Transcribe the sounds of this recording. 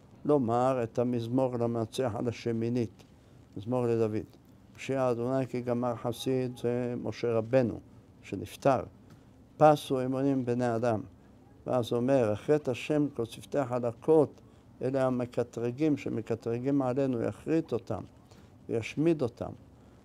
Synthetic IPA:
lo̞maʁet̪hamizmo̞ʁlamat͡siaħa̰laʃeminit̪ | mizmoʁled̪avḭd̪ | maʃiaːd̪onajkiɡamaʁħasid̪zemʔo̞ʃe̞ʁabe̞nṵ | ʃenift̪aʁ | pasuimunimbnead̪am | vḛazuomeʁaχʁet̪haʃe̞mkot͡sift̪eaħalakʰo̞t̪ | ʔḛleamekat̪ʁiɡimʃemekat̪ʁiɡimʕale̞nuja̰χʁit̪o̞t̪a̰m | vḛjaʃmid̪o̞t̪ʰa̰m

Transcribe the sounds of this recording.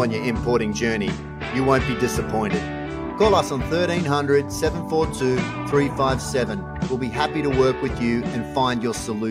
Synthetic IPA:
ə̃njə˞ɪ̃mpʰɔɹɾɪ̃ŋd͡ʒɜ˞ni | jɨwõʊ̃nb̥idɪsəpʰɔ̃ɪ̃ntɨd̥̚ | kʰɔlˠʌsn̩θɜ˞ɾĩnɦʌ̃ndɹɨd̥sɛṽnfɔɹtʰʉ | θɹifaɪv̥sɛvɨ̃n | wilˠbiɦæpiɾəwɜ˞kwɨðjʉɨ̃nfãɪ̃ndjə˞səlʉ

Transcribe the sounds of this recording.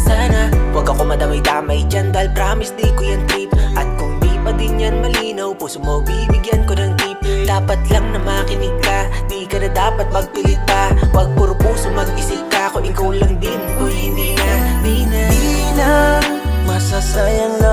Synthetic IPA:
saːnɐwɐɡɐko̞mɐd̪ɐmɐjd̪aːmɐjd͡ʒand̪aɪlpɾaːmɪsd̪iːkojɐŋt̪ip̚ʔɐt̪̚kʊŋd̪iːpɐd̪ɪnjanmɐliːnɐwpuːsomɐɡ̚bibɪɡjankonɐŋt̪ip̚d̪̥aːpɐt̪lɐŋnɐmaːkɪnɪɡ̚kɐd̪iːkɐnɐd̪aːpɐt̪̚mɐɡ̚pɪlɪt̪̚pɐpɐɡ̚pʊɾpuːsomɐɡ̚ʔɪsikakoʔɪkawlɐŋd̪ɪnmɐlinɪŋad̪inɐn | mɐsasajɐŋɐ

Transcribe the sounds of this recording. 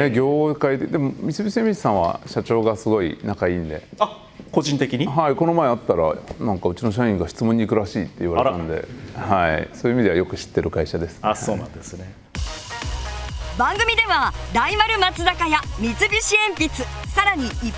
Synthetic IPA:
neɡʲo̞ːkaid̪ed̪e̞mo̞mʲisɨbʲisieãmʲiɕi̥sãɰ̃βa̰ɕat͡ɕo̞ːɡasɨɡo̞ḭnakaĩːnd̪e̞̰a | ko̞ʑĩnt̪e̞kʲiɲ̟iɦaiko̞no̞mae̞at̪ːaɾa̰nãŋkaɯ̟t͡ɕinoɕ̬aĩŋɡaɕi̥t͡sɨmõ̞ɲ̟ːikɯ̟ɾaɕiːt̪ːe̞iβaeɾãnd̪e̞̰haḭsoːiɯimʲid̪e̞ajo̞kɯ̟̥ɕi̥t̪ːe̞ɾɯ̟kaiɕad̪e̞sɨ̥asoːnã̰nd̪esɨne | bãŋɡɯ̟mʲid̪e̞βad̪aimaɾɯ̟mat͡sɨnakajamʲit͡sɨbʲɨɕiẽmpʲit͡sɨsaɾaɲ̟ii

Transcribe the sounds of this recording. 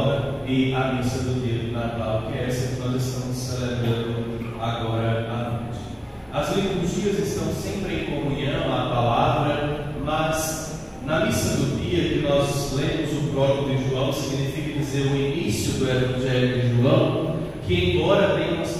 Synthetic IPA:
dɐ | ɪɐmisɐd̪ʊd̪iɐd̪ʊnat̪awkɪɛɛsɐt̪ɔ̃wzɪst̪ɐ̃mʊsːelebɾɐ̃nd̪ʊ | aɡɔɾɐanõ̰jt͡ʃɪ̥ | ɐzlẽkʊʒiɐzɪst̪ɐ̃w̃sẽmpɾɪẽj̃kõmũɲɐ̃ɐpalavɾɐmɐz | nɐmisɐd̪ʊd̪iɐkɪnɔzlẽmʊzʊpɾɔɡʊdɪʒuɐ̃w̃siɡinifikɐd͡ʒizeɾʊinisjʊd̪ʊevɐ̃ʒɛljʊd̪ɪʒuɐ̃w̃ | kɪẽj̃bɔɾɐt̪ẽjmʊs

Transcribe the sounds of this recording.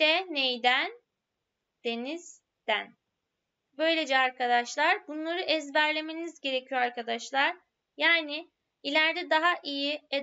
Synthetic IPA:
ɛnejd̪æn | d̪̥e̞niz̥ | d̪̥æn | bø̞jlʲe̞d͡ʒɛaɾkʰad̪aʃlˠaɾbunlˠaɾɯʔɛzbæɾlʲe̞me̞nizɟe̞ɾe̞cʰijoaɾkad̪aʃlˠaɾ̥ | jaːnɪ | ilʲæɾd̪ɛd̪aɦaʔijie

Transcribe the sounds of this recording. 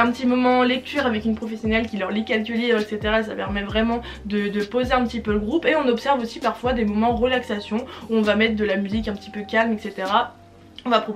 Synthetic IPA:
ɛ̃pət̪imɔmɑ̃lɛk̚t̪yːʁavɛkynpχɔfɛsjɔnɛlkʲilœʁlikʲalkʲylibʁɛkset̪eʁaes̬a̰pɛʁmɛvʁɛmɑ̃ | d̪əd̪əpozeɛ̃pət̪ipøləɡʁupeɔ̃nɔpsɛʁvosipaʁfwad̪emɔmɑ̃ʁəlaksasjɔ̃uɔ̃vamɛt̪χd̪əlamyzikɛ̃pət̪ipøkʲalmɛkset̪eʁa | ɔ̃vapχɔ

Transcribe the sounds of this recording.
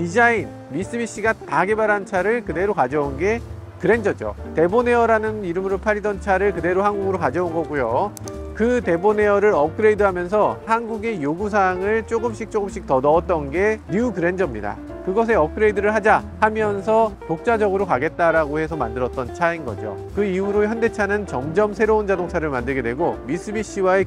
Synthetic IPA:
tid͡ʑain | mis͈ɯbiɕ͈iɡataɡe̞baɾant͡ɕʰaɾɯɭkɯde̞ɾokad͡ʑʌunɡe̞ | kɯɾe̞nd͡ʑʌd͡ʑo̰te̞bone̞ʌɾanɯniɾɯmɯɾopʰaɾidʌnt͡ɕʰaɾɯɭkɯde̞ɾohanɡuɡɯɾokad͡ʑʌunɡʌɡujo | kɯte̞bone̞ʌɾɯɾʌp̚k͈ɯɾe̞idɯɦamjʌns̬ʰʌhanɡuɡe̞joɡus̬ʰaŋɯɭt͡ɕ͈oɡɯmɕ͈ik̚t͡ɕ͈oɡɯmɕ͈ik̚tʌnʌːt̚t͈ʌnɡe̞niukɯɾe̞nd͡ʑʌmɲida̰ | kɯɡʌs̬ʰe̞ʌp̚k͈ɯɾe̞idɯɾɯɭɦad͡ʑahamjʌns̬ʰʌtok̚t͡ɕ͈ad͡ʑʌɡɯɾokaɡe̞t̚t͈aɾaɡohe̞sʰʌma̰ndɯɾʌt͈̚ʌnt͡ɕʰainɡʌ̰d͡ʑo̰kɯihuɾoçjʌnde̞t͡ɕʰanɯnt͡ɕʌmd͡ʑʌmsʰe̞ɾound͡ʑadoŋt͡ɕʰaɾɯɭmandɯɭɡe̞dwe̞ɡomis͈ʰɯbiɕ͈ʰiwae

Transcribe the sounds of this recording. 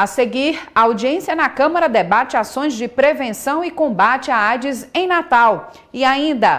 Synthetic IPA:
aseɡiɾɐawd͡ʒiẽsijɐnɐkɐ̃mɐɾɐd̪ebat͡ʃɪasõj̃zd͡ʒɪpɾevẽsɐ̃w̃ɪkõbat͡ʃɪaajd͡ʒɪzẽj̃nat̪aw | ɪaĩnd̪ɐ

